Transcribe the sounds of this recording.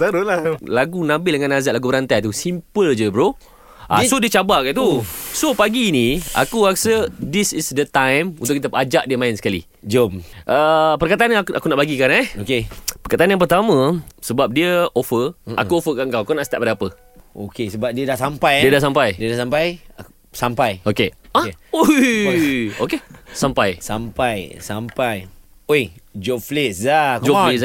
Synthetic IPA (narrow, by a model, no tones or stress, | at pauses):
aɾulalaɡunãbɪldəŋanːazaʔlaɡubəɾant̪ajt̪usimpəld͡ʒəbɾo | ʔa̰sodiət͡ʃabakat̪usopaɡiːnia̰kuaksədisisdət̪ãjmunt̪ʊkit̪əad͡ʒaʔdiəmãɪnsə̥kalḭ | d͡ʒomʔəpərkat̪aanʔakunaʔbaɡikanɛokepərkat̪aanjaŋpərt̪amə̃səbap̚diəofəʔa̰kuofəkaŋkawakunaʔsə̥t̪aʔ̚padapə | o̰kesəbap̚diədahsampajdiədasampajdiədasampaj | sampajokeao | okesampajsampajsampaj | ojd͡ʒoflisakd͡ʒolis